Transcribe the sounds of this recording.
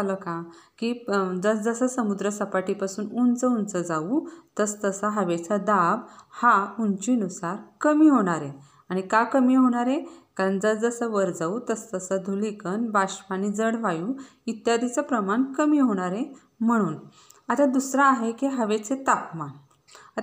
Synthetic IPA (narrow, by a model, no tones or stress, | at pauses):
alokãkiːd͡zəsd͡zəsəsəmud̪ɾəsəpaʈipasuːnund͡zəunt͡səd͡zaut̪əst̪əsaɦəʋet͡sad̪abhaunt͡ɕinusaɾkəmiːɦoɽ̃aɾe | aɽ̃ikakəmiːɦoɽ̃aɾẽkaɾəɳd͡zəsd͡zəsəʋəɾd͡zaut̪əst̪əsəd̪ʱulikənbaɕʋanid͡zəɽʋajuː | it̪jad̪ʱit͡sapɾəmaɳkəmiːɦoɽ̃aɾe | m̤əɽ̃uːn | at̪ad̪usɾaːɦekiɦəʋet͡set̪apma | a